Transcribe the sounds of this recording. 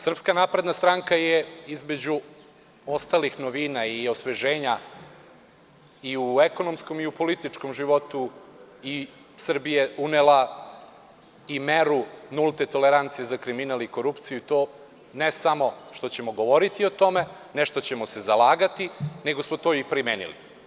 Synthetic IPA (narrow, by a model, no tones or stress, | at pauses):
sr̩pskanaːpɾed̪nast̪ɾaŋkajeizme̞d͡ʑu | o̞st̪alixnoʋinaio̞sʋe̞ʒe̞ːɲa | iueko̞no̞msko̞miupo̞lit̪it͡ʂko̞mʒiʋo̞t̪ui | sr̩bijeunela | imeɾunulˠt̪et̪o̞leɾant̪sijezakɾiminaliko̞ɾupt̪sijuit̪o̞ | nesamo̞ʃt̪o̞t͡ɕe̞mo̞ɡo̞ʋo̞ɾit̪io̞t̪o̞me̞ | neʃt̪ot͡ɕe̞mose̞zalaːɡat̪ine̞ɡo̞smot̪o̞ːipɾimeːnḭlḭ